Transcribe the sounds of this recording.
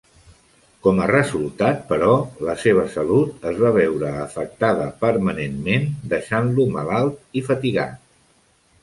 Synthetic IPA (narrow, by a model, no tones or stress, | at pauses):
kɔmərəzulˠt̪at̪̚pəɾɔləseβ̞əsəlut̪əzβaβ̞ɛwɾəːfək̚t̪aðəpəɾmənenmend̪əʃanluməlalˠt̪ifət̪iɣa̰t̪